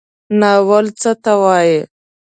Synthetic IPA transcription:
nawəlt͡sət̪awɑːje

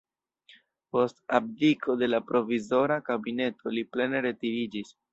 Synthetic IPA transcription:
po̞stab̚dikʰo̞de̞lapɾo̞vizo̞ɾakabine̞to̞liple̞ne̞ɾe̞tiɾid͡ʒis

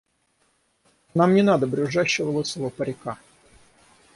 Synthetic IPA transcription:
namnʲɪnad̪əbɾʲʊʐaɕːɪvəlˠot̪səvəpəɾʲɪka

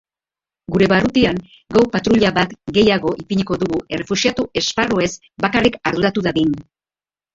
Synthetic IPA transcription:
ɡuɾe̞βarut̪iaŋ | ɡawpat̪ɾuʎaβat̪ɡe̞jaɣo̞ʔipiɲikoðuɣue̞re̞fusiat̪ue̞sparoe̞s | bakarikaɾðuɾat̪uðaðin

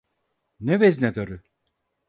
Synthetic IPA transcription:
nɛveznɛd̪aɾɯ

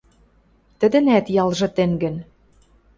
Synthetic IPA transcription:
t̪ə̆d̪ɘ̆næt̪jɑlʒɤ̆t̪ĕŋɡɘ̆n

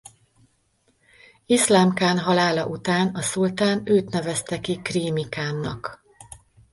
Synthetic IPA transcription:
islaːmkaːnɦɒlaːlɒʔut̪aːnɒsult̪aːnøːt̪nɛvɛst̪ɛkikriːmikaːnːɒ̰k

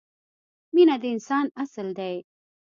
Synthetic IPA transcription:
minad̪əɪnsɑːnasəld̪aj

